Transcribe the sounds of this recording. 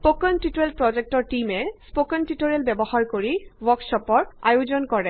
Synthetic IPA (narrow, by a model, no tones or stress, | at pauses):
spokɔntitoɹelpɹɔzɛk̚tɔɹtimɛspokɔntitoɹelbɛbɔhaɹkoɹiwɔɹksɔpɔɹajozɔnkɔɹɛ